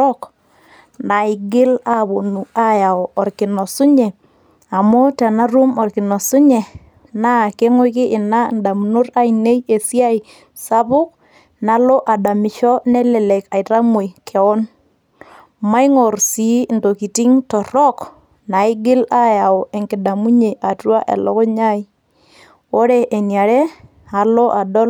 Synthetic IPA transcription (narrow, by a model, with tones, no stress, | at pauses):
ɔ˦k | na˨ɪ˨ɡɪ˦la˦βo˨nu˨a˦ja˨ɔ˨ɔ˨ɾkɪ˨nɔ˨sʊ˦ɲɛ˨ | a˨mo˦tɛ˨na˦ɾu˦mɔ˨rkɪ˨nɔ˨sʊ˦ɲɛ˨ | na˦˨ke˦ŋo˦kɪ˦ʔɪ˨na˦nda˨mno˦ɾa˦i˨ne˦je˨sja˦i˨ | sa˦bʊ˦k̚ | na˦lo˦ʔa˨da˨mɪ˨ʃɔ˦nɛ˦lɛ˨lɛ˨ka˨ɪ˨ta˦mu˨i˨kʰɛ˨ɔ˦n | ma˦iŋo˨rsi˨˦ndo˨ki˨ti˦ŋtɔ˨ɾɔ˦k | na˨ɪ˦ɡɪ˦la˦ja˨o˨e˨ŋkɪ˨da˨mu˦ɲe˨ʔa˨twa˦ʔḛ˨lɔ̰˦kɔ˦ɲa˦i˦ | o˦ɾe˦ʔe˨nja˨ɾe˦ | a˨lo˦ʔa˨dɔ˦l